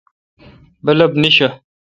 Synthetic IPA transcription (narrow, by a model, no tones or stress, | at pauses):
bəlɐbniɕɐ